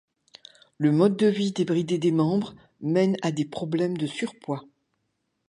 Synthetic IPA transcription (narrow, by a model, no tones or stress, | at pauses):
ləmɔd̪̚ːəvid̪ebʁid̪ed̪emɑ̃bʁ | mɛnad̪epχɔblɛmd̪əsyʁpwa